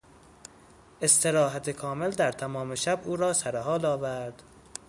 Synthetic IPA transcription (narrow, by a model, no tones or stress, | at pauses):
ʔe̞st̪ʰe̞ɾɒːɦæt̪ʰekʰɒːme̞ld̪æɾt̪ʰæmɒːme̞ʃæbuːɾɒːsæɾeɦɒːlɒːvæɾd̪̥